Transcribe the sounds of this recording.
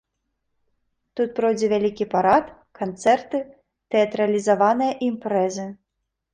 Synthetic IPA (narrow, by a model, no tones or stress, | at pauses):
t̪ut̪̚pɾɔwd͡zʲɛvʲalʲikʲipaɾat̪ | kant̪sɛrt̪ɨ | t̪ɛɐt̪ɾɐlʲizavanɨjɐʔimpɾɛzɨ